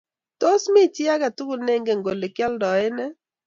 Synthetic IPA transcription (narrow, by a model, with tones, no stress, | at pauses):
to˦smɪ˦˨tɪ˦a˦ka˨tu˦ku˦˨ne˦ŋɡe˨ŋɡo˨le˨kjɛ˦ldɔ˨ɪ˦nɛ˦